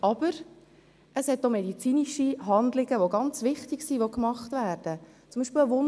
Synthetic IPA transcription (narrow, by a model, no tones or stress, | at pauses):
ɑb̥əɾ | əshɛt̚domɛdit͡siːniʃiɦɑndlɪɡ̥əʋoɡɑnt͡sʋɪχtɪɡsiʋokmɑχtʋæːɾd̥ə | t͡sʊmbiːʃpeːlʋʊn